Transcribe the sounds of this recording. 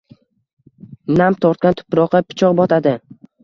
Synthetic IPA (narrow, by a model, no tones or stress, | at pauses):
namt̪ʰɒɾt̪̚kʲant̪ʰʊ̥pɾɒqːɑpʰɪ̥t͡ʃʰɒqbɒt̪ʰad̪ɪ